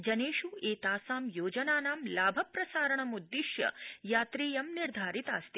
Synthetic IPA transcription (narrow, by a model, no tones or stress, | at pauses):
d͡ʒɐneːʃueːt̪aːsaːmjoːd͡ʒɐnaːnaːmlaːbʱɐpɾɐsaːɾɐɳɐmud̪ːiʃjɐ̰jaːt̪ɾeːjɐmniɾd̪ʱaːɾit̪aːst̪i